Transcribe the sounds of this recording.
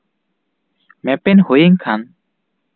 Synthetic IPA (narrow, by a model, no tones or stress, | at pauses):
mɛpɛnhojeŋkʰan